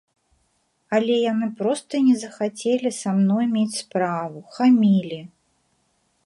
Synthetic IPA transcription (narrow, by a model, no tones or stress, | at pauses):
ɐlʲɛjanɨpɾɔst̪ɐnʲɛzɐxat͡sʲelʲisamnɔjmʲet͡sʲspɾavuxamʲilʲi